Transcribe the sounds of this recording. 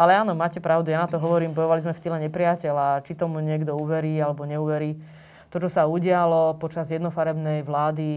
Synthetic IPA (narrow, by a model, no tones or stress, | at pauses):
alɛaːnɔmaːcɛpɾaʊd̪ujaːnat̪ɔɦɔʋɔɾiːmbɔjɔʋalizmɛft̪ilɛɲɛpɾɪacɛlat͡ʃit̪ɔmuɲɪɛɡd̪ɔuːʋɛɾiːalɛbɔɲɛuːʋɛɾiː | t̪ɔt͡ʃɔsauɟɪalɔpɔt͡ʃazjɛd̪nɔfaɾɛbnɛjʋlaːd̪i